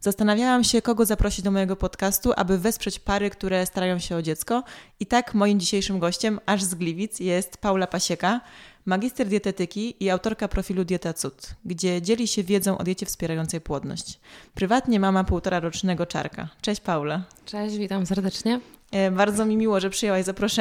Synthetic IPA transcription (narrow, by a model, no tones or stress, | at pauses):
z̥ast̪anavʲjawamɕɛkɔɡɔzapɾɔɕid͡ʑd̪ɔmɔjɛɡɔpɔt̪kast̪uʔa̰bɘvɛspʂɛt͡ɕpaɾɘkt̪uɾɛst̪aɾajɔ̃w̃ɕɛɔd͡ʑɛt̪skɔit̪akmɔjimd͡ʑiɕejʂɘmɡɔɕt͡ɕɛmaʐzɡlʲivʲit̪sjɛst̪pawlapaɕɛkamaɡʲist̪ɛɾd̪ʲjɛt̪ɛt̪ɘkʲiːawt̪ɔɾkapɾɔfʲilud̪jɛt̪at̪sut̪ɡd͡ʑɛd͡ʑelʲiɕɛvʲjɛd̪zɔ̃w̃ʔɔ̰d̪jet͡ɕɛfspʲjɛɾajɔnt̪sɛjpwɔd̪nɔ̰ɕt͡ɕpɾɘvat̪ɲɛmamapuwt̪ɔɾaɾɔt͡ʂnɛɡɔt͡ʂa̰ɾka̰t͡ʂɛɕpawlat͡ʂɛɕvʲit̪amsɛɾd̪ɛt͡ʂɲɛ | baɾd̪zɔmʲimʲiwɔʐɛpʂɨjɛwajzapɾɔʂɛ